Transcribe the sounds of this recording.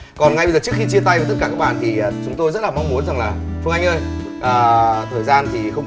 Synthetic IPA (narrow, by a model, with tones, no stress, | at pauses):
kɔ˨˩nŋa˧jɓe˧zəː˨˩t͡ɕɨ˦˥kxi˧t͡ɕi˧ət̪a˧jvt̪̚kaː˧˩kaː˦˥k̚ɓaː˧˨nt̪ʰi˨˩˨t͡ɕʊ˨˦ŋ͡mt̪o˧jzə˦˥t̚laː˨˩ma˧wŋ͡mmu˨˦ənza˨˩ŋlaː˨˩fɨ˧əʔa˧jŋ̟ʔəː˧j | ʔəː˨˩t̪ʰəː˨˩jzaː˧nt̪ʰi˨˩xə˧ŋ͡m